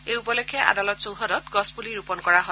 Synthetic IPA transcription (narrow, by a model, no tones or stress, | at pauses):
ejupɔlɔkʰːɛʔa̰dalɔtsowɦɔdɔtɡɔspuliɹupɔnkɔɹaɦo